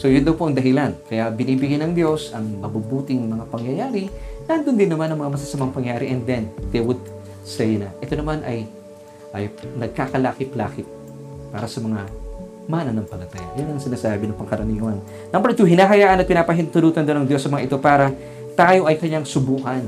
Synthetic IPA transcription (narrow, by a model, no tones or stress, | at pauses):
so̞jʊnd̪ɐwpoʔɐŋd̪ɐɦɪlankɐjabɪniːbɪɡɪnɐŋd̪jo̞sɐŋmɐbubuːt̪ɪnmɐŋapɐŋjɐjaːɾɪnɐnd̪ond̪ɪnːɐmanɐŋmɐŋamɐsɐsɐmaŋpɐŋjaːɾɪʔɛnd̪ɛnd̪ewʊd̪̚ | sɛjnɐʔɛt̪onɐmanʔɐj | ʔɐjnɐɡ̚kakɐlaːkɪpla̰ːkɪp̚ | pːaːɾɐsɐmɐŋa | maːnɐnɐŋpɐlɐt̪aja̰jʊnːɐŋsɪnaːsaːbɪnɐŋpɐŋkɐɾɐniːwɐn | nɐmbɛɾt̪uɦɪnaːɦɐjaːʔɐnɐt̪̚pɪnaːpɐɦɪnt̪ʊluːt̪ɐnd̪onɐŋd̪jo̞sːɐmɐŋaʔɪt̪o̞paːɾɐ | t̪aːjo̞ʔɐjkɐɲaŋsʊbuːhɐn